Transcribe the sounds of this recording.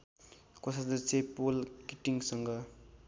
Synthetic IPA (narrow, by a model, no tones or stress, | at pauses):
kosad̪ʌt͡sepolkiʈiŋsʌŋɡʌ